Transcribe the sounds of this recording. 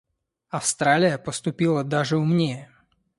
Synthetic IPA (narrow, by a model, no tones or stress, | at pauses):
aʊst̪ɾaːlijapɔst̪upilˠad̪aʒɛumɲɪɛ